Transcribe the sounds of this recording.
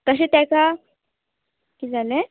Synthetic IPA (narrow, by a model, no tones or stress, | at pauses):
t̪əɕ̬et̪jãka | kiːd͡zale